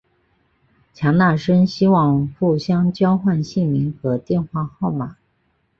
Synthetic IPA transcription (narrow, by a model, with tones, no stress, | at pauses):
t͡ɕʰjɑ˧˥ŋna˥˩ʂə˥nɕi˥wɑ˥˧ŋfu˥˩ɕjɑ˥ŋt͡ɕjɑ˥ʊxwa˥˧nɕi˥˩mi˧˥ŋxɤ˧˥t̪jɛ˥˧nxwa˥˧xɑ˥˩ʊma˨˩˦